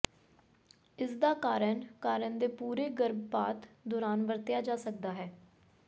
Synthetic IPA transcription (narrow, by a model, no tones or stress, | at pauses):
ɪsd̪aːkaːɾənkaːɾənd̪eːpuːɾeːɡəɾbpaːt̪d̪ɔːɾaːnbəɾt̪jaːd͡ʒaːsək̚d̪aːɦɛː